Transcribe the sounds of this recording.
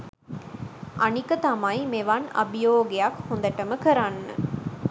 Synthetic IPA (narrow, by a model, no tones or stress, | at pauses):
ʔɐnikɐt̪ɐmɐjmeʋɐnɐ̰bijoːɡejɐkhund̪ɐʈɐməkəɾanːə̰